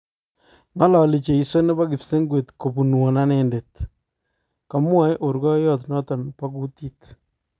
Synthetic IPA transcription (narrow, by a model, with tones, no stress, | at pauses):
ŋa˦lɔ˨li˨t͡ʃe˨i˨so˦ne˦ba˦kɪ˨pse˦ŋɡwe˨tko˨pu˨n˨wo˨na˦nɛ˨ndet | ka˨mwa˦jʔo˨ɾɡɔ˦jɔ˦tnɔ˦tɔ˨npa˦ku˦ti˦t